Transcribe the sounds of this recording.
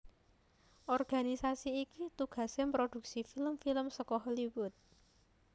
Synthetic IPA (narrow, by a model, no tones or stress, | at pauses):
ʔɔrɡ̥anisasiːkit̪uɡ̥a̤sempɾod̪̥ṳk̚sifiləmfiləmsəkɔɦɔliwʊt̪̚